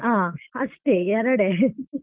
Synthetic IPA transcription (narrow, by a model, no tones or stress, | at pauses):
aːɐsʈeɛɾɐɽe